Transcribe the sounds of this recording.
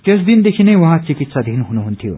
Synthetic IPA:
k̪esd̪ind̪ekʰinɐjʋɐɦãt͡ʃikit̪sad̪ʱinuɦunuɦunt̪ʰijo̰

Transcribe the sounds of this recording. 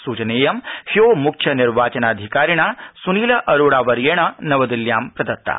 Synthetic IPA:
suːt͡ʃɐneːjɐmhijoːmukʰjɐniɾʋaːt͡ʃɐnaːd̪ʱikaːɾiɳ̃aːsuniːlɐʔɐɾoːɽaːʋɐɾjeːɳ̃ɐnɐʋɐd̪iljaːmpɾɐd̪ɐt̪ːa̰

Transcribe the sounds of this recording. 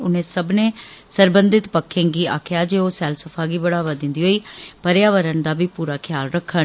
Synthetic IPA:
ʊnẽːsəbnẽː | səɾbənd̪ɪt̪pəkʰːẽːɡiːa̰ːkʰjaːd͡ʒeːoːsɛːlsəpʰaːɡiːbəɽaːʋaːd̪ɪ̃nd̪iːɦoːiːpəɾjaːʋəɾəɳd̪aːbiːpuːɾaːkʰɪjaːlɾəkʰːə

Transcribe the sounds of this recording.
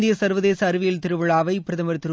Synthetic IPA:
d̪ɪjɐsɐɾʋɐðeːsɐːɾɯʋɪjɪlt̪ɪɾɯʋɯɭaːʋɐɪpɾɐðɐmɐɾt̪ɪɾɯ

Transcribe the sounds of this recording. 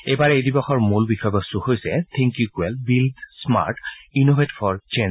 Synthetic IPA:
ebaɹɛejdibɔxɔɹmulbixɔjbɔsuxojsɛt̪ʰɛ̃ŋkjukwɛlbildsma̰ɹʈinobʱetifʰɔɹt͡ʃen

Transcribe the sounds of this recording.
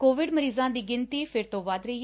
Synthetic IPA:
koːʋɪɖməɾiːzãːd̪iːɡɪnt̪iːpʰɪɾt̪õːʋad̪ɾəiː

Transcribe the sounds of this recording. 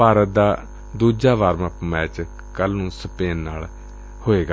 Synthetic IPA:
paːɾət̪̚d̪aː | d̪uːd͡ʒaːʋaːɾməpmɛːt͡ʃ | kəlnũːsəpeːnːaːl | hoːeːɡa

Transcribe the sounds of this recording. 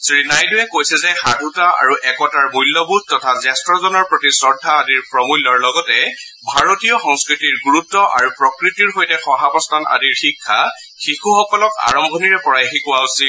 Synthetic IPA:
sɹinajdʊjɛkojsɛzɛxadʱutaʔa̰ɹuʔɛkɔtaɹmujlːɔbud̚ʱtɔtʰazɛstɹɔzɔnɔɹpɹɔtisɔɹdʱːaːdiɹpɹɔmujlːɔɹlɔɡɔtɛ | bʱaɹotijɔxɔŋskɹitiɹɡuɹutːɔʔa̰ɹupɹɔkɹitiɹxojtɛxɔɦapɔstʰana̰diɹxikʰːa̰ | xixuxɔkɔlɔka̰ɹɔmbʱɔniɹɛpɔɹajɦikʊwausil

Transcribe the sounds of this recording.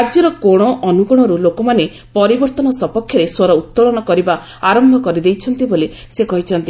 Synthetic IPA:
ad͡ʒjɔɾɔkoɽ̃ɔʔɔnuɡɔɽ̃ɔɾulokɔmane | pɔɾibɔɾt̪ɔnɔsɔpɔkʰjɔɾeswɔɾɔut̪ːɔɭɔnɔkɔɾiba | aɾɔmbʱɔkɔɾid̪ejt͡ʃʰɔnt̪ibole | sekɔɦit͡ʃʰɔnt̪i

